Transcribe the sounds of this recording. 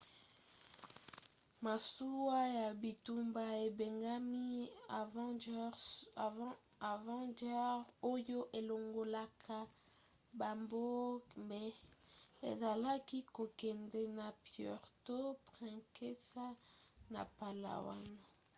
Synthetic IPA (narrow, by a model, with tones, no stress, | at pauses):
ma˨su˦wa˦ja˨bi˨tu˦mba˨e˨be˨ŋɡa˦mi˦˨˦ | a˨vɑ̃˦da˦ʁo˦jo˦ʔe˨lo˨ŋɡo˨la˨kʰa˨ | ba˨mbo˦mbɛ˨ | ḛ˨za˨la˦ki˦ko˨kɛ˨ndɛ˦na˨pjɔ̰˨ʁto˦pʁɛ̃˨ke˦sa˦na̰˨pa˨la̰˨wa̰˦na˨